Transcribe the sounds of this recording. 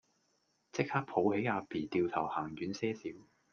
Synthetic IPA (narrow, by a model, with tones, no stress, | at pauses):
t͡sɪ˥k̚haː˥k̚pʰo˨˧˥whe˨˥jaː˧piː˨˩t̪iː˨˧wt̪ʰɐ˨˩whaː˨˩ŋjyː˨˥nsɛː˥siː˨˥w